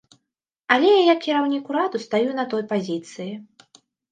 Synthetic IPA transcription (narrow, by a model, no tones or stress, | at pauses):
ɐlʲɛjajakʲːiɾawnʲikuɾad̪ust̪ajunɐt̪ɔjpazʲit̪sɨji